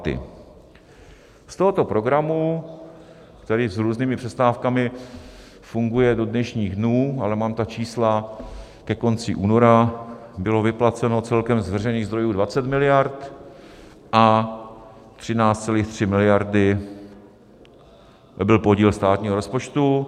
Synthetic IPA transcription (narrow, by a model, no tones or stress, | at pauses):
t̪ɪ̰ | st̪o̞ɦo̞t̪o̞pɾo̞ɡɾamu | kt̪ɛɾiːzɾuːzniːmɪpr̥ɛst̪aːfkamɪ | fuŋɡujɛdo̞dnɛʃɲiːɣdnuːalɛmaːmt̪at͡ʃiːsla | kɛko̞nt͡sɪʔuːno̞ɾabɪlo̞vɪplat͡sɛno̞t͡sɛlkɛmzvr̝ɛjniːɣzd̪ɾo̞juːdvat͡sɛt̪mɪlɪjaɾt̪ | ʔa | t̪r̝̥ɪnaːt͡st̪t͡sɛliːxt̪r̝̥ɪmɪlɪjaɾdɪ | bɪlpo̞ɟiːlst̪aːt̪ɲiːɦo̞ɾospot͡ʃt̪u